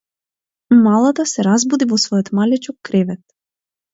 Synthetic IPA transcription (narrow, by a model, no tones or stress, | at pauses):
malˠat̪asɛɾazbud̪ivɔsvɔjɔt̪malɛt͡ʃɔkːɾɛvɛt̪̚